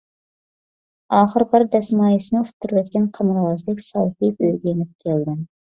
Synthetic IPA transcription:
ɑːχəɾbɑɾd̪ɛsmɑːjisɨnɪut̪ʰːuɾwɛt̪kʲɛnqʰɑmɨɾʁɑzd̪ɪkʲsɑlˠpibøjɡʲɛjenɪp̚kʲʰɛld̪ɪm

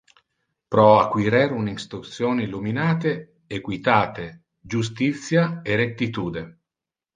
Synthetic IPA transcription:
pɾɔakːwiɾɛɾuninst̪ɾut̪sjoːniluminaːt̪e | ekwit̪aːt̪e | d͡ʒus̬t̪it̪sːjaeɾet̪ːit̪uːd̪e

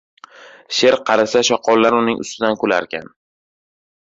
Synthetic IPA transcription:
ʃe̞ɾqʰɑɾasaʃɒqʰɒlːaɾʊnɪŋʊ̰st̪ɪd̪ankʰola̰ɾkʲan

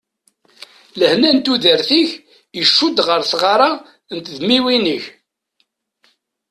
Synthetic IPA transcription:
ləhnænt̪uðəɾθiç | jəʃːud̪ʁəɾθʁaɾˤa | nt̪ðmiwinəç

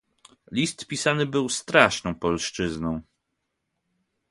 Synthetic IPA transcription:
lʲist̪pʲisanɘbɘwst̪ɾaʂnɔ̃w̃pɔlʂt͡ʂɘznɔ̃w̃

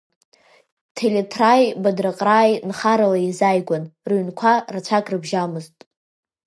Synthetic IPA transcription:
tʰeletʰrajbadraqʼraːjnχaɾalaizajɡʷanrɥnkʷʰarat͡ʃʷʰakʼrɨbʒamɨztʼ

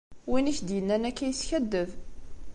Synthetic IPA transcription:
winiçd̪jənːænækːæjəsçæd̪ːəv

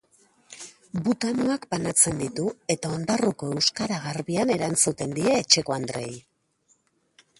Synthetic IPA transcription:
but̪anuakbanat͡se̞nd̪it̪ue̞t̪ao̞nd̪aruko̞e̞wskaɾaɣaɾβiane̞ɾant͡sut̪e̞nd̪ie̞ːt͡ʃe̞ko̞and̪ɾe̞j

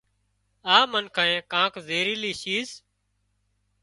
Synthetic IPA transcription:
aːmənkʰãːẽːkãːkzeːɾiːliːʃiːz

